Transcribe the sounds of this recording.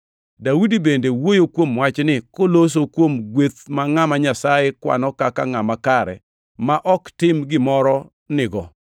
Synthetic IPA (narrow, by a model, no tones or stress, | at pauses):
dawudibendewojokwomwat͡ʃnɪkolos̬okwomɡwet̪maŋamaɲasajekwa̰nɔkakaŋamakaɾɛ̰ | maʔɔktɪmɡɪmɔɾɔ | nɪɡɔ